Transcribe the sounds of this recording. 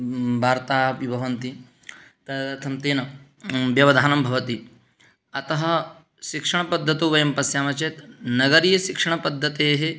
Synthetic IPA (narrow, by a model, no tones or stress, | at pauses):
bʱaːɾt̪aːʋibʱɐʋɐnt̪i | t̪ɐɐt̪ʰɐmt̪eːnɐ | bjɐʋɐd̪ʱaːnɐmbʱɐʋɐt̪i | ɐt̪ɐɦɐ | ʃikʂɐɳ̃ɐpɐd̪ʱːɐt̪uːʋɐjɐmpɐsjaːmɐt͡ʃeːt̪nɐɡɐɾiːjɐʃikʂɐɳ̃ɐpɐd̪ʱːɐt̪eːɦe